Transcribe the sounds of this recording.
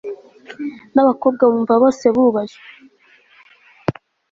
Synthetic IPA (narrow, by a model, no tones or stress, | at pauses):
naβako̞b̚ɡaβuːɱvaβo̞ːse̞βuːβaʒe